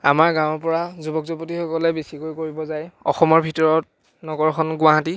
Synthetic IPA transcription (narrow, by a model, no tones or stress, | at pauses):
amaɹɡãw̃ɹpɔɹazubɔk̚zopotixɔkɔlɛbesikojkoɹibɔzajɔ̰xɔmɔɹbʱitɔɹɔt̚ | nɔɡɔɹkʰɔnɡʊ̃aɦati